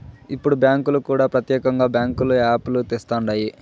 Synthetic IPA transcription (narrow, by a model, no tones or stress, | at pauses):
ipːuɽubjaːŋkulukuːɽaːpɾɐt̪jɛːkɐŋɡaːbjaːŋkuluaːpulut̪est̪aːɳɖaːji